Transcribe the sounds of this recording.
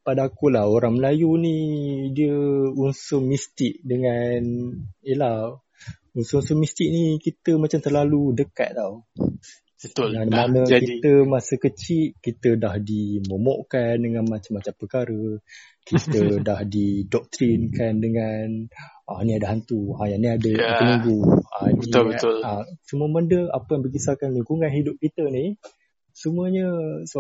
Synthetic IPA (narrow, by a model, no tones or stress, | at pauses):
padakulahoɾaŋməlajunidiəunsomist̪ɪk̚dəŋanjəlah | unsəunsomist̪ɪk̚nikit̪əmat͡ʃamt̪ərlaludəka̰t̪̚t̪aw | bəanmanəkit̪əmasəkət͡ʃit̪̚kit̪ədahdimomɔʔkandəŋanmat͡ʃamːat͡ʃampərkaɾə | kit̪ədahdidɔk̚t̪ɾinkandəŋanʔaniadəɦant̪uajaniadəənuŋɡuanəiəlasəmuəməndəapəjaŋbəɡisakanliŋkuŋanɦidʊp̚kit̪ənih | səmuəɲəsə